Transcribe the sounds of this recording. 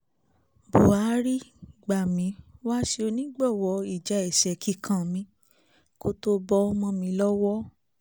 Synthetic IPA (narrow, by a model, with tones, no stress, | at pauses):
bu˨a˨˦ɾi˦ɡ͡ba˨mĩ˨˦wa˦ʃe˧o˧nĩ˦ɡ͡bɔ˦˨wɔ˧i˦˨d͡ʒa˨˦ɛ˨ʃɛ˨ki˨˦kʰã˨mĩ˧˦ | ko˧to˧˦bɔ˧˦ɔ˧mɔ̃˧mĩ˧˦lɔ˦wɔ˦